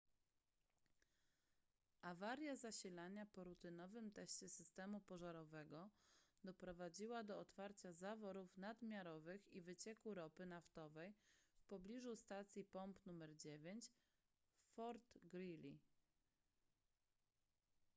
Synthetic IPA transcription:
ʔavaɾjazaɕilaɲapɔɾut̪ɘnɔvɘmt̪ɛɕt͡ɕɛsɘst̪ɛmupɔʐaɾɔvɛɡɔd̪ɔpɾɔvad͡ʑiwad̪ɔɔt̪faɾt͡ɕazavɔɾufnad̪mʲjaɾɔvɘxivɘt͡ɕɛkuɾɔpɘnaft̪ɔvɛjfpɔblʲiʐust̪at̪sʲjipɔmpnumɛɾd͡ʑevʲjeɲt͡ɕ | fɔɾt̪ɡɾilʲi

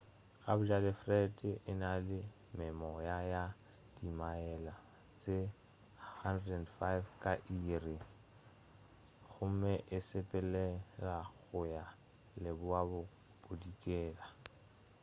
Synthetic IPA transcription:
ɣʼa̰bʊd͡ʒalɪfrɛtʼɪʔɪnalɪ | mɪmɔjaja | d̥imaɛla | t͡sʼe | handɛndfajfkʼaʔiːrɪ | ɣʊm̩mɛʔɪsɪpʼɛlɛlaɣʊja | lɪbʊabʊ | b̥ʊdikʼɛːla

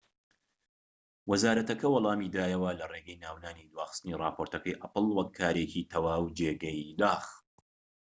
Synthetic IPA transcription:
wɐzaːɾɐt̪ɐkɐwɐlˠɑːmid̪aːjɐwɐlɐreːɡɐjnaːwnaːnid̪waːxɨ̥st̪ɨniːrɑ̰ːpʰoːɾt̪ɐkɐjʔɐpɨlˠwɐkʰːaːɾecit̪ʰɐwaːwd͡ʒeːɡɐjd̪aːx

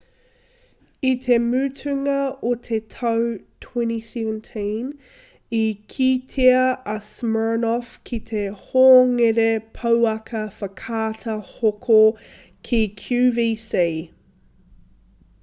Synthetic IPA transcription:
it̪ʰemʉːtʰʉŋɐot̪ʰet̪ʰɐwtʰwɛ̃nisɛvəntʰĩn | ikʰit̪ʰeɐʔɐsmɜ˞nɔfkʰit̪ʰehoːŋeɾepʰɐwɐkʰɐfɐkʰaːt̪ʰɐhokʰo | kʰikʰjʉːviːsi

